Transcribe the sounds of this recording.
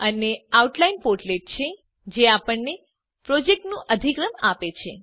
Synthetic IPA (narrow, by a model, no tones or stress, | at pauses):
əneauʈlainpoʈleʈ̚t͡ʃʰe | d͡ʒeapəɳne | pɾod͡ʒek̚ʈnũʔəd̪ʱikɾəmapet͡ʃʰe